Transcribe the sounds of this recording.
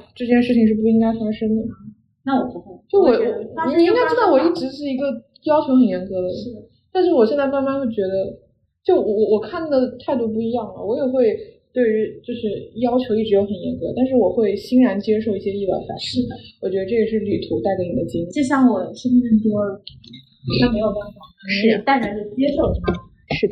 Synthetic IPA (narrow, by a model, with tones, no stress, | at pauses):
ʈ͡ʂɤ˥˧t͡ɕjɛ˥˧nʂɻ̩˥˩t͡ɕʰi˩ŋʂɻ̩˥˩pu˥˩i˥ŋka˥ɪfa˥ʂɤ˥ŋd̪ə˨˩ | na˥˩wɔ˨˩pxt͡ɕjo˥˩wɔ˨˩˨i˥ŋka˥ɪʈ͡ʂɻ̩˥˧d̪ɑ˥˩wɔ˨˩i˥˩ʈ͡ʂɻ̩˧˥ʂɻ̩˥˩i˧˥ɡə˧ | jɑ˥ʊt͡ɕʰjo˧˥ʊxə˨˩njɛ˧˥nkɤ˧˥d̪ə˨ɻ̩˥˩ | t̪a˥˧nʂ̬ɻ̩˥˩wɔ˨˩ɕjɛ˥˧nt͡sa˥˧ɪma˥nma˥nxwe˥˩ɪt͡ɕɥɛ˧˥d̪ə˧ | t͡ɕjo˥˩ʊwɔ˧˩wɔ˧˩wɔ˨˩kʰa˥˩nd̪ə˩t̪ʰa˥˧ɪt̪̬u˥˧p̬u˥˩i˧˥jɑ˥˩ŋlə̰˩wɔ˧˥jɛ˨˩xwe˥˧ɪt̪we˥˩ɪy˧˥t͡ɕjo˥˧ʊʂɻ̩˥˩jɑ˥ʊt͡ɕʰjo˧˥ʊi˥˩ʈ͡ʂɻ̩˧˥jo˧˥xə˨˩njɛ̰˧˥nkɤ˧˥t̪a˥˧nʂ̬ɻ̩˥˩wɔ˨˩xwe˥˩ɪɕi˥ŋɻa˧˥nt͡ɕjɛ˥ʂo˥˧ʊi˥˩ɕjɛ˥i˥˩a̰˥˨˩fa̰˧˥nʂi˥˩wɔ˨˩t͡ɕɥɛ˧˥d̪ə˧ʈ͡ʂɤ˥˩jɛ˨˩ʂɻ̩˥˩ly˨˩t̪ʰu˧˥t̪a˥˩ɪke˧˥ni˨˩d̪ə˦t͡ɕi˥ŋi˥˧t͡ɕo˥˧ɕjɑ˥˩ŋwɔ˨˩ʂə˥n˥ə˥˩nt̪o˥˨˩ | o˥˩me˧˥ɪjo˨˩ʊa˥˩nfɑ˨˩˧ʂɻ̩˥˩t̪a˥˩ɻa˧˥jo˥˩t͡ɕjɛ˥ʂo˥˧ʊ˥˩˥ | ʂɻ̩˥˩